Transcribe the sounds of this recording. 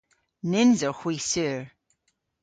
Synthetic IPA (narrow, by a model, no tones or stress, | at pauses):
nɪnzəɹxw̥isʉɹ